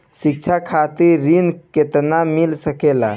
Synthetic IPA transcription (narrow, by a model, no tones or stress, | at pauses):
sikt͡ʃʰakʰat̪iɾːinket̪namilsəkela̰